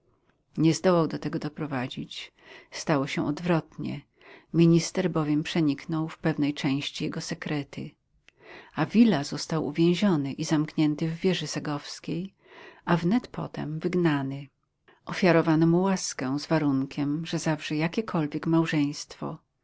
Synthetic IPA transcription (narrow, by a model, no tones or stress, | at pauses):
ɲɛzd̪ɔwawd̪ɔt̪ɛɡɔd̪ɔpɾɔvad͡ʑit͡ɕ | st̪awɔɕɛʔɔd̪vɾɔt̪ɲɛ̰ | mʲiɲist̪ɛɾbɔvʲjɛmpʂɛɲiknɔwfpɛvnɛjt͡ʂɛ̃w̃ɕt͡ɕijɛɡɔsɛkɾɛt̪ɘ̰ | avʲilazɔst̪awṵvʲjɛ̃w̃ʑɔnɘʔizamkɲɛnt̪ɘvːʲjɛʐɛsɛɡɔfskʲej | avnɛt̪pʰɔ̰t̪ɛ̰mvɘɡnanɘ | ʔɔfʲjaɾɔvanɔmuwaskɛ̃zvaɾuŋkʲɛmʐɛzavʐɛjakʲɛkʰɔlvʲjɛkmawʐɛj̃st̪fɔ̰